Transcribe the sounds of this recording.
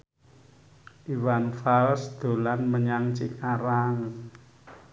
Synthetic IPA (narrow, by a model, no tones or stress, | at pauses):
ʔiwanfalsd̪̥o̤lanməɲaŋt͡ʃikaɾaŋ